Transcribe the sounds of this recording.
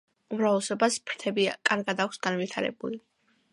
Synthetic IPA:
umɾavlɛsɔbaspʰɾt̪ʰɛbiakʼaɾɡad̪akʷʰsɡanvit̪ʰaɾɛ̰buli

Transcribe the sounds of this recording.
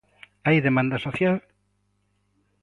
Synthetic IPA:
ajðemãnd̪asoθjal

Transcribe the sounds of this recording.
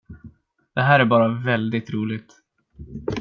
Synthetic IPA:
d̪̥ɛɦæːɾæɾbɑːɾavɛld̪ɪɡ̚t̪ɾuːlɪɡ̚t̪

